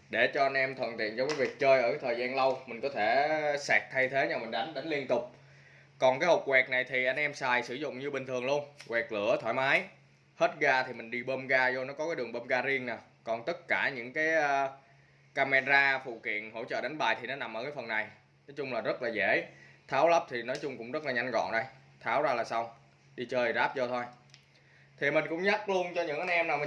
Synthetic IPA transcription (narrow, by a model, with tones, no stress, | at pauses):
ɗe˧˩t͡ɕɔ˧ʔa˧nʔɛ˧mt̪ʰwə̰˨˩nt̪ḭ˧˨ənzɔ˧wŋ͡mkaː˨˦jvi˨˩ək̚t͡ɕəː˧jʔəː˧˩kaː˨˦jt̪ʰəː˨˩zaː˧nlə˧wmï˨˩ŋ̟kɔ˨˦t̪ʰe˧˩sɛ˨˩k̚t̪ʰa˧jt̪ʰe˨˦ɲa˧wmï̟˨˩ɗa˨˦jŋ̟ɗa˨˦ŋ̟li˧ənt̪ʊ˨˩k͡p̚ | kɔ˨˩nkaː˨˦jhə˨˩wk͡p̚wɛ˨˩k̚na˨˩jt̪ʰi˨˩ʔa˧nʔɛ˧msaː˨˩jsɨ˧˩zʊ̰˧˨ŋ͡mɲɨ˧ɓï˨˩ŋ̟t̪ʰɨ˨˩əŋlu˧ənkwɛ˨˩k̚lɨ̰˧˩ət̪ʰwaː˧˩jmaː˨˦j | he˦˥t̚ɣaː˧t̪ʰi˨˩mï˨˩ŋ̟ɗi˧ɓəː˧mɣaː˧zo˧nɔ˨˦kɔ˨˦kaː˨˦jɗɨ˨˩əŋɓəː˧mɣaː˧zi˧ənna˨˩ | kɔ˨˩nt̪ə˦˥t̚kaː˧˩ɲɨ̰˧˥ŋkaː˨˦jə˧ | kaː˧mɛ˧zaː˧fṵ˧˨kḭ˧˨ənɦo̰˧˥t͡ɕə̰ː˧˨ɗa˨˦jŋ̟ɓa̰ː˨˩jt̪ʰi˨˩nɔ˨˦na˨˩mʔəː˧˩kaː˨˦jfə˨˩nːa˨˩j | nɔ˨˦jt͡ɕʊ˧ŋ͡mlaː˨˩zə˦˥t̚laː˨˩zḛ˧˩t̪ʰaː˨˦wlə˦˥p̚t̪ʰi˨˩nɔ˨˦jt͡ɕʊ˧ŋ͡mkʊ̰˧˥ŋ͡mzə˦˥t̚laː˨˩ɲa˧jŋ̟zɔ̰˧˨nɗə˧j | t̪ʰaː˨˦wzaː˧laː˨˩sa˧wŋ͡m | ɗi˧t͡ɕəː˧jzaː˦˥p̚zo˧t̪ʰo˧j | t̪ʰi˨˩mï˨˩ŋ̟kʊ̰˧˥ŋ͡mɲa˦˥k̚lu˧ənt͡ɕɔ˧ɲɨ̰˧˥ŋʔa˧jn̟ʔɛ˧mnaː˨˩wmi˨